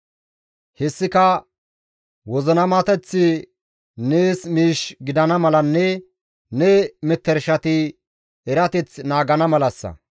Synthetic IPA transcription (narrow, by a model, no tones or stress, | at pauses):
hɛsːɪkɐ | wɔzɔnɐmat̪ɛt͡sːɪ | neːsmiːʃɡɪd̪ɐnɐmɐlɐnːɛ | nɛmɛt̪ːɛɾʃɐt̪ɪ | ɛɾɐt̪ɛt͡snaːɡɐnɐmɐlɐsːɐ̰